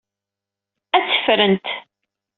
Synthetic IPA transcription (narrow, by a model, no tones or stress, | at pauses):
æt͡sːə̥fɾənt̪